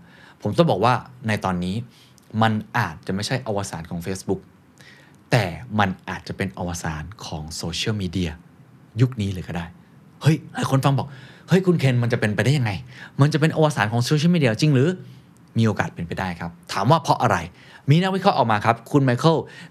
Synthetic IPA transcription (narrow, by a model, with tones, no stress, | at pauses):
pʰo˩˦mt̪ɔ˥˩ŋbɔː˨˩k̚waː˥˩na˧jt̪ɔː˧nːiː˦˥ | ma˧nʔaː˨˩t̪̚t͡ɕa˨˩ma˥˩jt͡ɕʰa˥˩jʔa˧waː˧saː˩˦nkʰɔː˩˦ŋfeː˦˥sbu˦˥k̚ | t̪ɛː˨˩ma˧nʔaː˨˩t̪̚t͡ɕa˨˩pe˧nʔa˧waː˧sa̰ː˩˦nkʰɔː˩˦ŋsoː˧t͡ɕʰi˥˩əwmiː˧di˧ɐ | ju˦˥k̚niː˦˥lɯː˩˦kɔ˥˩daː˥˩j | hɤ˦˥˩jaː˥˩kʰo˧nfa˧ŋbɔː˨˩k̚hɤ˦˥˩jkʰu˧nkʰe˧nma˧nt͡ɕa˨˩pe˧npa˧jdaː˥˩ja˧ŋa˧jma˧nt͡ɕa˨˩pe˧nʔa˧waː˧saː˩˦nkʰɔː˩˦ŋsoː˧i˥˩˨miː˧di˧ɐ˧t͡ɕi˧ŋɾɯː˨˦ | miː˧ʔoː˧kaː˨˩t̪̚pe˧npa˧jdaː˥˩jkʰa˦˥p̚t̪ʰaː˩˦mwaː˥˩pʰɔ˦˥ʔa˧ɾa˧j | miː˧na˦˥k̚wi˦˥kʰɔ˦˥ʔɔː˨˩k̚maː˧kʰa˦˥p̚kʰu˧nma˧jkʰɤ˥˩